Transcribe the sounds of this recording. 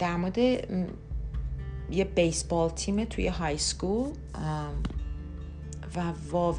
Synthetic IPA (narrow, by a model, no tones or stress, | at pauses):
d̥amɔdɪ | jəbejsb̥ɔːlˠtʰimətʰw̥ḭəɦajskuːlˠ | əm | vavɔ